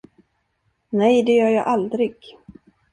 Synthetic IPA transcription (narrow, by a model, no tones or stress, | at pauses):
nɛjd̪ɛjœːɾjɑːʔald̪ɾɪɡ̥